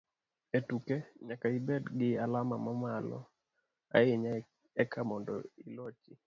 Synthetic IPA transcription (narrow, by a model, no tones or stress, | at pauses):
etukeɲakaibɛdɡɪalamamamalɔ̰ | a̰ɪɲa | ɛkʰamɔndɔ̰ilot͡ʃɪ